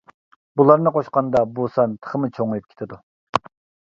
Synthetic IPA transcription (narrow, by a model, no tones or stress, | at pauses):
bulˠɑɾnɨqʰoʃqɑnd̪ɑbusɑnt̪ʰə̥χəmɨt͡ʃʰoŋɨjup̚kʲʰe̥t̪ʰɪd̪u